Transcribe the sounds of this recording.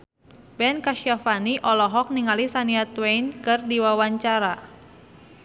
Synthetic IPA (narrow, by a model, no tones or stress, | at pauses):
bɛnkaʃiafaniʔɔlɔɦɔk̚niŋalisaniat̪wejnkɨrdiwawaɲt͡ʃaɾa